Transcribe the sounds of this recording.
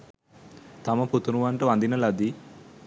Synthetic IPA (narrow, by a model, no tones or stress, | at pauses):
t̪aməput̪uɾuʋaɳʈəʋand̪inəlad̪i